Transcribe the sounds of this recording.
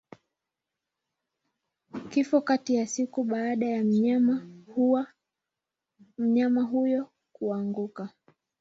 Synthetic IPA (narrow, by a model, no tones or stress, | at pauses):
kifɔkatijasikuɓaːɗajam | m̩ɲamaɦujɔ | kuaŋɡuka